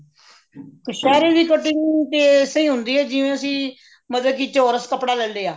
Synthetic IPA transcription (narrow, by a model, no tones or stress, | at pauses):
kəʃaːɾeːd̪iːkəʈɪŋt̪eːsəĩːɦʊ̃nd̪iːɦɛːd͡ʒɪʋẽːəsĩː | mət̪ləbkit͡ʃoːɾəskəpɽaːlɛ̃ːld̪eːaː